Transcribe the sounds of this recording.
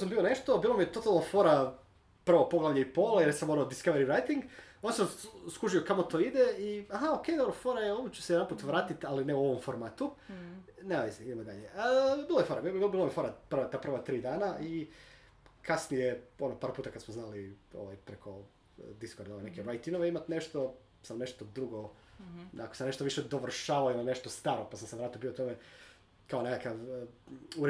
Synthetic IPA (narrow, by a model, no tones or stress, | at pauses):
os̬ambio̞neʃt̪o̞biːlˠomijet̪o̞t̪alˠnofo̞ɾa | pr̩ʋopoɡlˠaʋʎeipolˠajeɾsamoonod̪iskaʋeɾiɾajt̪iŋɡonsamskuʒijokamot̪o̞ːid̪eiaɦaoke̞jd̪obɾofoɾajeoʋot͡ɕu̥sejd̪anmpuːt̪ʋɾaːt̪it̪alineuo̞ʋo̞mfoɾmaːt̪u | neaʋisiid̪emod̪aʎeəbilojefoɾabibilˠomiefo̞ɾaprʋat̪aːpɾr̩ʋat̪ɾiːd̪aːnai | kʰasnijeo̞nopaɾpuːt̪akad̪smoznaːlio̰ʋajpɾekʰo̞ | d̪iskoɾd̪oʋenekeɾajt̪inoʋeimat̪neʃt̪o | samne̞ʃt̪od̪ɾuɡo | ako̥samne̞ʃt̪oʋiʃed̪oʋr̩ʃaːʋaoimaneʃt̪ost̪aɾopasamseʋɾaːt̪iobiot̪ome | kaonekakaʋ | uɾ